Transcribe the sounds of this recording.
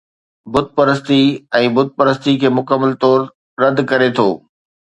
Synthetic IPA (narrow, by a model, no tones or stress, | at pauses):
bʊd̪̚pɐɾəst̪iɛ̃ːbʊd̪̚pəɾəst̪ikʰeːmʊkəmːəlt̪ɔːɾ | ɾɐd̪ʱkɐɾet̪ʰo̰ː